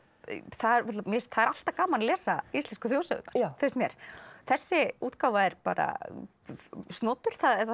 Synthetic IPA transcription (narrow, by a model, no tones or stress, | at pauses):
θaðɾɛt̪lamɛθaðɛɾal̥t̪akaːmanlɛːsaist̪ɛnskʏfjoːwsœ̰ɣʏt̪naɾ̥fɪɾst̪mjɛ̰ɾ̥θɛsːɪuːt̪kaːwvaɛɾpa̰ːɾa̰ | st̪nɔːt̪ʏɾ̥θað